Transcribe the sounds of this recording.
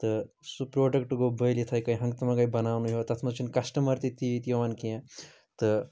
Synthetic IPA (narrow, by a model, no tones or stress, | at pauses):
t̪ɨ | supɾoːɖɐkʈɡobəjlit̪ʰɐjkɐjɦɐ̃ŋɡt̪ɐmɐɡɐjbɐnaːwnuɦjot̪ɐt̪ʰmɐt͡ʃʰinkɐsʈɐmɐɾt̪it̪it̪jɐʋankiẽ | t̪ɨ